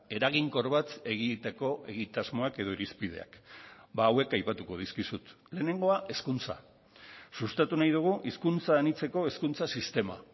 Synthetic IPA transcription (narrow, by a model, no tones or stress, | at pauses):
e̞ɾaɣiŋko̞ɾβat͡s̪e̞ɣ̞it̪eko̞e̞ɣ̞it̪azmo̞ake̞ð̞o̞iɾispið̞e̞̰a̰kbaːwe̞kajpat̪uko̞ð̞iskisut̪ | le̞ːne̞ŋɡo̞aʔe̞skunt͡sa̰ | sust̪at̪unajð̞uɣ̞uʔiskunt͡saenit͡se̞ko̞e̞skunt͡sasist̪e̞ma̰